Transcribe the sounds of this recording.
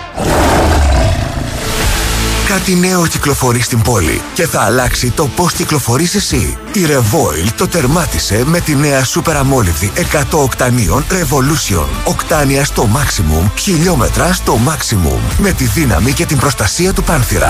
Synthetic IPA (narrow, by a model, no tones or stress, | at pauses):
kɐt̪ine̞o̞ciklo̞fo̞ɾist̪imbo̞lḭce̞θɐːlɐksit̪o̞po̞sciklo̞fo̞ɾisesḭ | iɾe̞vo̞ilt̪o̞t̪e̞ɾmɐt̪ise̞me̞t̪ine̞ɐsupe̞ɾɐmo̞livt̪iʔe̞kɐt̪o̞ːkt̪ɐnio̞nɾe̞vo̞lusio̞̰no̞kt̪ɐniɐst̪o̞mɐksimṵmçiʎo̞me̞̰t̪ɾɐst̪o̞mɐksimṵmːe̞t̪iðinɐ̰mice̞t̪imbɾo̞st̪ɐsiɐt̪upɐnθiɾɐ̰